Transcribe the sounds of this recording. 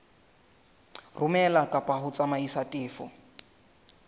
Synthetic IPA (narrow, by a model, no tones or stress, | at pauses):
rumɛlakʼapʼaɦʊt͡samaisatʼiːfɔ